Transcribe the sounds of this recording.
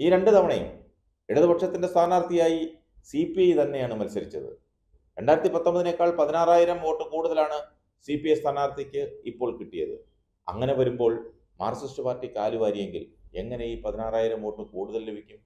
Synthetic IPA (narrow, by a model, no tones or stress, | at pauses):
iːɾe̞ɳɖɨt̪ɐʋɐɳɐjṵm | eɽuðɨbɐʈʂɐt̪ːindest̪ʰaːnaːrt̪ʰijaːji | sipiejt̪ɐnːe̞jaːɳɨmɐlsɐɾit͡ɕːɐ̰ðɨ̰ | ɾe̞ɳɖaːjiɾɐt̪ːipɐt̪ːombɐðine̞kːaːɭpɐðinaːraːjiɾɐmo̞ːʈːɨkuːɽuðɐlaːɳɨ | sipijest̪ʰaːnaːrt̪ʰikʲːɨipːo̞ːɭkiʈːijɐ̰ðɨ̰ | ɐ̰ŋːɐne̞ʋɐɾumbo̞ːɭ | maːrsɐstɨpaːrtːikaːluʋaːɾijeŋɡḭle̞̰ŋːɐne̞jiːpɐðinaːraːjiɾɐmo̞ːʈːɨkuːɽuðɐlːebʱikʲːum